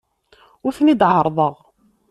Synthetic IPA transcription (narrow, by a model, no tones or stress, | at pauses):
ʊɾθnid̪ʕəɾˤðˤəʁ